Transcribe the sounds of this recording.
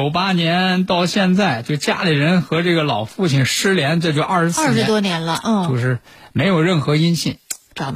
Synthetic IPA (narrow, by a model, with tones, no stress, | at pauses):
o˨˩ʊpa˥njɛ˧˥nt̪ɑ˥˧ʊɕjɛ˥˧nt͡sa˥˩ɪt͡ɕjo˥˩t͡ɕja̰˥li˨˩ɻə˧˥nxɤ˧˥ʈ͡ʂɤ˥˩ɡə˩lɑ˨˩ʊfu˥˧˩t͡ɕʰi˨˩nʂɻ̩˥ljɛ˧˥nʈ͡ʂɤ˥˧t͡ɕjo˥˧ɐ˞˥˩ʂɻ̩˧˥sɹ̩˥˩ʂɻ̩˧˥t̪wɔ˥njɛ˧˥nlə˧n̩˥˩o˥˧ʂɻ̩˥˩me˧˥ɪjo˨˩ʊɻə˥˩nxɤ˧˥i˥nɕi˥˩nʈ͡ʂɑ˧˩˥